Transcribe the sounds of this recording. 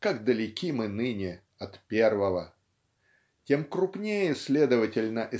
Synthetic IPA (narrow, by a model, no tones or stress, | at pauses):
kaɡd̪əlʲɪkʲimɨnɨnʲɪ | ɐt̪pʲervəvə | tʲe̞mkɾʊpnʲejəsʲlʲe̞d̪əvətʲɪlʲnəʔɪ